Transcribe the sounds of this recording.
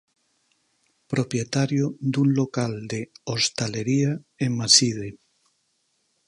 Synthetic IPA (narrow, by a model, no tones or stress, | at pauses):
pɾopjet̪aɾjod̪uŋlokald̪eost̪aleɾiaeŋmasiðe